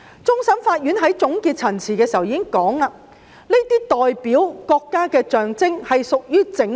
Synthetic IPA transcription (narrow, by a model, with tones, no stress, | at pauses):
t͡sʊ˥ŋsɐ˨˥mfaː˧t̚jyː˨˥nɦɐ˨˥jt͡sʊ˨˥ŋkiː˧t̚t͡sʰɐ˨˩nt͡sʰiː˨˩kɛː˧siː˨˩ɐ˩wjiː˧˥kɪ˥ŋkɔː˨˥ŋlaː˧ | ne˥t̪iː˥t̪ɔː˨jpiː˨˥wkɔː˧kːaː˥kɛː˧t͡ʃœː˨ŋt͡sɪ˥ŋhɐ˨jsʊ˨k̚jyː˥t͡sɪ˨˧˥ŋ